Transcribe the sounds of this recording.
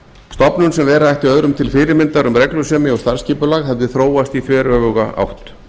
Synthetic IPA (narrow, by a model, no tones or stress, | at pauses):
st̪ɔpnʏnsɛmvɛːɾaajht̪iœðɾʏmt̪ʰɪlfɪːɾɪɾmɪnt̪aɾʏmɾɛklʏsɛːmɪɔɣst̪aɾ̥sciːpʏlaːɣhɛvðɪθɾoːwast̪iθvɛːɾœːvʏɣaa̰wht̪